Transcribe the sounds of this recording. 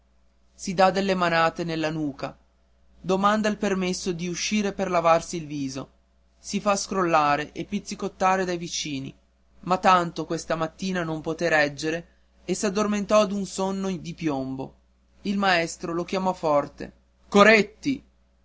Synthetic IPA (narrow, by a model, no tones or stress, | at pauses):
sid̪ad̪elːemanaːt̪enelːanuːka̰ | d̪omand̪ailpermesːod̪iuʃːiːɾeperlavarsiːlviːzo̰ | sifaskɾolːaːɾeʔepːit̪sikot̪ːaːɾed̪ajvit͡ʃiːnḭ | mat̪ːant̪okwest̪amat̪ːiːnanompot̪eɾɛd͡ʒːeɾe | esːad̪ːorment̪ɔad̪unsonːod̪ipjombo̰ | ilmaɛst̪ɾolok̟jamɔfɔrt̪ḛ | koɾet̪ːi